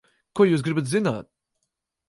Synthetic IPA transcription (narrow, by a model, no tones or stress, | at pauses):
kuɔjuːs̬ɡɾɪbɨt̪zɪna̰ːt̪̚